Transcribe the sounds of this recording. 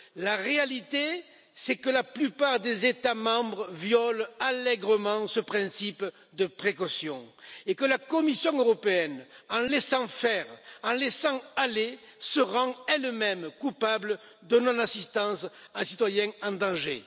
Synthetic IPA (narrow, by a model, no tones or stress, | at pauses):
laʁealit̪e | sɛkəlaplypaʁd̪ezet̪amɑ̃bʁəvjɔlalɛɡʁəmɑ̃səpχɛ̃sip | d̪əpχekɔsjɔ̃ekəlakɔmisjɔ̃øʁɔpeɛnɑ̃lesɑ̃fɛʁɑ̃lɛsɑ̃ale | səʁɑ̃ɛlmɛmkupablə | d̪ənɔ̃nasist̪ɑ̃sɛ̃sit̪wajɛ̃ɑ̃d̪ɑ̃ʒḛ